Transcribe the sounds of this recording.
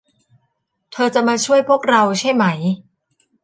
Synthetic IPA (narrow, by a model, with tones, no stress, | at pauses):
t̪ʰɤː˧t͡ɕa˨˩ʔ̚maː˧t͡ɕʰu˥˩əjpʰu˥˩ək̚ɾa˧wt͡ɕʰa˥˩jma˦˥j